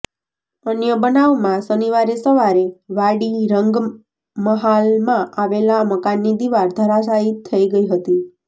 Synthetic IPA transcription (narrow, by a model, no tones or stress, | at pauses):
ənjəbənaʋmãsəniʋaɾesəʋaɾeʋaɽiɾəŋɡ | məɦalmãʔaʋelaməkanːid̪iʋaɾd̪ʱəɾasait̪ʰːəiɡəiɦət̪i